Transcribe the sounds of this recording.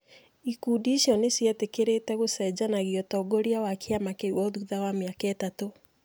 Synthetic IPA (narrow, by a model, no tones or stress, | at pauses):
ikudiːʃjɔnesjatekeɾetɛɣosɛd͡ʑanaɣiɔtɔɡoɾiawakʰeamakeiwɔðuðawameakɛtato